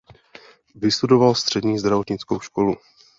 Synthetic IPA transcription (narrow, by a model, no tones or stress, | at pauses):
vɪst̪udo̞valst̪r̝̥ɛdɲiːzd̪ɾavo̞t̪ɲɪt͡sko̞wʃko̞lu